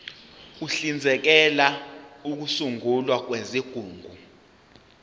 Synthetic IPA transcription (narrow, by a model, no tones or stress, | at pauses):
uɬind͡zʱɛk̬ɛlauk̬usuŋulwak̬weziɡ̥ʱuːŋɡʱu